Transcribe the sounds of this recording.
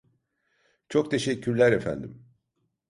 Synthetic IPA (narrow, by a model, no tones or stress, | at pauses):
t͡ʃʰo̞kt̪ʰe̞ʃɛcʰːyɾlʲæɾefæ̰nd̪im